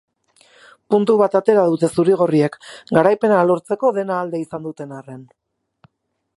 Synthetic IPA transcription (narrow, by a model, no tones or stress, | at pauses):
punt̪uβ̞at̪at̪e̞ɾaðut̪e̞suɾiɣ̞o̞riekɡaɾajpe̞nalo̞ɾt͡se̞ko̞ðe̞naːld̪e̞isand̪ut̪e̞naren